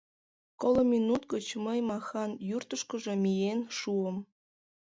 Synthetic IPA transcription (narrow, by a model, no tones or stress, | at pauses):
kolŏminut̪ɡət͡ɕməjmɑxɑnjurt̪əʃkəʒe̽mijenʃuəm